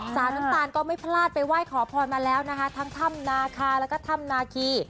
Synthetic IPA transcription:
saː˩˦nna˦˥t̪aː˧˩nkɔː˥˩ma˥˩jpʰlaː˥˩t̪̚pa˧jwaː˥˩jkʰɔː˩˦pʰɔː˧nmaː˧lɛː˦˥wna˦˥kʰa˦˥t̪ʰaː˦˥ŋt̪ʰa˥˩mnaː˧kʰaː˧lɛː˦˥kɔː˥˩t̪ʰa˧˩mnaː˧kʰiː˧

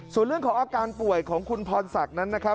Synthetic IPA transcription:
su˨˩˦ɾɯ˥˩əŋkʰɔː˩˦ŋʔaː˧kaː˧npu˨˩əjkʰɔː˩˦ŋkʰu˧npʰɔː˧nsa˨˩k̚na˦˥nːa˦˥kʰa˦˥

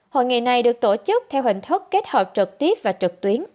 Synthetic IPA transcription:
ho̰˧˨jŋḭ˧˨˩na˨˩jɗɨ˨˩ək̚t̪o˧˩t͡ɕɨ˦˥k̚t̪ʰɛ˧whï˨˩ŋ̟t̪ʰə˦˥k̚ke˦˥t̚həː˨˩p̚t͡ɕɨ˨˩k̚t̪i˦˥əp̚vaː˨˩t͡ɕɨ˨˩k̚t̪wi˨˦ən

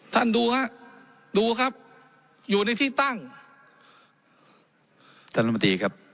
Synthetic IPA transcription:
t̪ʰa˥˩nduː˧kʰa˦˥ʔ | duː˧kʰa˦˥p̚ | juː˨˩na˧jt̪ʰiː˥˩t̪a˥˩ŋ | t̪ʰaː˥˩na˧ma˧t̪iː˧˩kʰa˦˥p̚

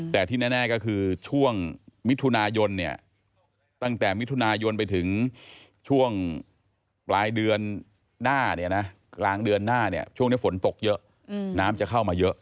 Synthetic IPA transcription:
t̪ɛː˨˩t̪ʰiː˥˩nɛː˥˩nɛː˥˩kɔː˥˩kʰɯː˧t͡ɕʰu˥˩əŋmi˦˥t̪ʰːu˧naː˧jo˧nːi˥˩ɐ | t̪a˥˩ŋt̪ɛː˨˩mi˦˥t̪ʰu˧naː˧jo˧np̬a˧jt̪ʰɯ˩˦ŋ | t͡ɕʰu˥˩əŋ | plaː˧jdɯ˧ənː | aː˥˩ni˥˩ɐna˦˥ | klaː˧ŋdɯ˧ənːaː˥˩ni˦˥˩ɐt͡ɕʰu˥˩ŋni˦˥˩fo˩˦nt̪o˨˩k̚jɤ˦˥ʔ | naː˦˥mt͡ɕa˨˩kʰa˥˩wmaː˧jɤ˦˥ʔ

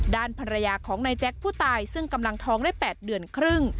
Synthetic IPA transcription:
daː˥˩npʰa˧nɾa˧jaː˧kʰɔː˩˦ŋna˧jt͡ɕɛ˦˥k̚pʰuː˥˩t̪aː˧jsɯ˥˩ŋka˧mla˧ŋt̪ʰɔː˧˥ŋdaː˥˩jpɛː˨˩t̪̚dɯ˧˩ənkʰɾɯ˥˩ŋ

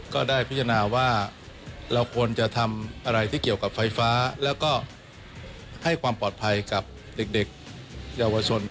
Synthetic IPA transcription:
kɔː˥˩daː˥˩jpʰi˦˥tʰa˧naː˧waː˥˩ | ɾa˧wkʰu˧ənt͡ɕa˨˩t̪ʰa˧mʔa˧ɾa˧jt̪ʰiː˥˩ki˨˩əwka˨˩p̚fa˧jfaː˦˥lɛː˦˥wkɔː˥˩ | ha˥˩jkʰwaː˧mpɔː˨˩t̪̚pʰa˧jka˨˩p̚ | de˨˩k̚de˨˩k̚ | jaː˧wa˧t͡ɕʰo˧n

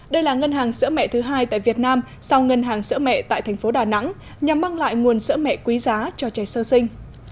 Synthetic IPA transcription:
ɗə˧jlaː˨˩ŋə˧nɦaː˨˩ŋsɨ̰˧˥mɛ̰˧˨t̪ʰɨ˨˦ɦaː˧jt̪a̰ː˧˨jvi˨˩ət̚naː˧m | sa˧wŋə˧nɦaː˨˩ŋsɨ̰˧˥əmɛ̰˧˨t̪a̰ː˧˨jt̪ʰɛ˨˩ŋ̟fo˨˦ɗaː˨˩na̰˧˥ŋ | ɲa˨˩mːa˧ŋla̰ː˧˨jŋu˨˩ənsɨ̰˧˥əmɛ̰˧˨kwi˨˦zaː˨˦t͡ɕɔ˧t͡ɕa˨˩jsəː˧sï˧ŋ̟

